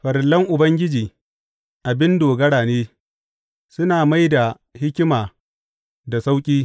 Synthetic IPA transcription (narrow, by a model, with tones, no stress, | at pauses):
ɸɐ˨ɾɪ˨lːɐ˦ŋʔʊ˨bɐ˦ŋɡʲɪ˦d͡ʒiː˨ | ʔa˨bɪ˦ndoː˨ɡɐ˦ɽaː˨neː˦ | sʊ˦naː˨ma˦jda˨ | hɪ˦kʲɪ˦maː˨ | da˨sa˦wkʲʼiː˦